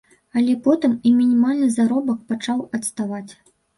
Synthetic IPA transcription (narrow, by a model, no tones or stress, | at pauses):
ɐlʲɛpɔt̪ɨmimʲinʲimalʲnɨzaɾɔbɐk̚pat͡ʂawɐt̪st̪avat͡sʲ